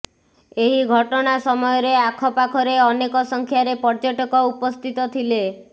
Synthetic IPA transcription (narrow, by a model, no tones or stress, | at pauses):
eɦiɡʱɔʈɔɽ̃asɔmɔjɔɾeakʰɔpakʰɔɾeɔnekɔsɔŋkʰjaɾepɔɾd͡ʒaʈɔkɔupɔst̪ʰit̪ɔt̪ʰile